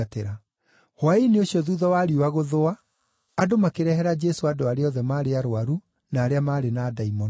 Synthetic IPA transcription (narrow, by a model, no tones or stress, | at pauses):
teɾa | hwaineoɕiɔðuðɔwaːɾiwaɣoðoa | adomakeɾɛhɛɾad͡ʒɛsoadoaɾeɔðɛmaːɾeaɾoaɾu | naːɾeamaːɾenaːdaimɔ